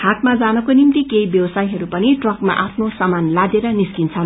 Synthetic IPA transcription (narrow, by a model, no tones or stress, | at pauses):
hat̪mad͡zanʌkonimt̪ikejbjʌwʌsajɦʌɾupʌniʈrʌkma̰ʔapʰnosamanlad̪eɾʌniskint͡sʰʌ